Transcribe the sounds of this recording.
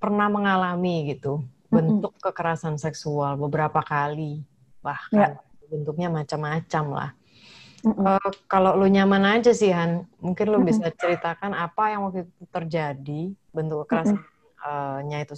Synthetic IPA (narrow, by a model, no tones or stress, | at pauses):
pərnahməŋalamiɡit̪u | bənt̪ʊkːəkəɾasansɛksualbəbəɾapakali | bahkan | bənt̪ʊk̚ɲamat͡ʃamat͡ʃamla̰h | əkalowloɲamanad͡ʒasiɦanmuŋkɪnlobisat͡ʃəɾit̪akanapajaŋwak̚t̪uut̪ut̪ərd͡ʒadi | bənt̪ʊkːəkəɾasa | əɲait̪u